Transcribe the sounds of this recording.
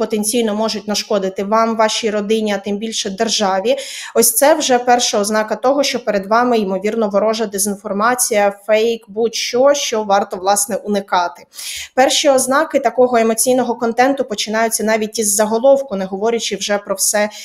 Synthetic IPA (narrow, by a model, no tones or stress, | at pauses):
pɔt̪enʲt͡sʲijnɔmɔʒʊt̚ʲnɐʃkɔd̪ɪt̪ɪʋɑmʋɑʃʲiɾɔd̪ɪnʲiɐt̪ɪmbʲilʲʃɛd̪erʒɑʋʲiɔsʲt̪sɛwʒɛpɛrʃɐɔznɑkɐt̪ɔɦɔʃt͡ʃɔpeɾed̪ʋɑmɪjɪmɔʋʲirnɔʋɔɾɔʒɐd̪ezʲinfɔrmɑt͡sʲijɐfɛjkbut̪ʲʃt͡ʃɔʃt͡ʃɔʋɑrt̪ɔʋlˠɑsnɛʔʊnɪkɑt̪ɪ̥pɛrʃiɔznɑkɪt̪ɐkɔɦɔemɔt͡sʲijnɔɦɔkɔnt̪ɛnt̪ʊpɔt͡ʃɪn̪ɑjʊt͡sʲːɐnɑʋʲit̚ʲizːɐɦɔlˠɔwkʊnɛɦɔʋɔɾʲɐt͡ʃɪwʒɛpɾɔwsɛ